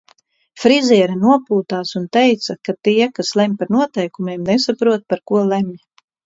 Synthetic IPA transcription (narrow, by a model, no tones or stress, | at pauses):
fɾizʲiɛɾanuɔpuːt̪aːsunt̪ɛjt̪sakat̪iɛkaslˠɛmʲpaɾnuɔt̪ɛjkumʲeːmnesapɾuɔt̪̚paɾkuɔlˠɛmʲ